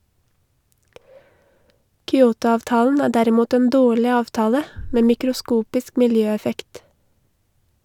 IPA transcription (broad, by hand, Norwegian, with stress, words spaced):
kʏˈoːtʊˌɑːʋtɑːln̩ ˈæː ˈdæɾɪˌmuːt ˈeːn ˈdoːɭɪ ˈɑːʋtɑːlə ˈmeː mɪkɾʊˈskuːpɪsk mɪlˈjøːɛˌfɛkt